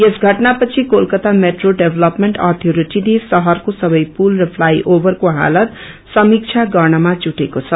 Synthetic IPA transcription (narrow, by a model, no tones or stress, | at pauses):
jesɡʱʌʈnapʌt͡sʰikolkʌt̪ameʈroɖebʱlʌpmeɳʈʌt̪ʰoɾiʈinesʌɦʌrkosʌbʌjpulrʌpʰlajʔobʌrkoɦa̰lʌt̪ | sʌmik̚t͡sʰaɡʌrnʌmad͡zuʈekot͡sʰʌ